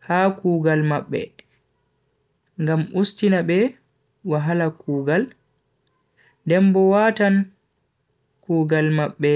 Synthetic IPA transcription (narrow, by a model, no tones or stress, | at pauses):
hakuːɡalmaɓːɛ̰ | ŋɡamustinaɓɛ | waɦalakuːɡal | dɛmbɔwatan | kuːɡalmaɓːɛ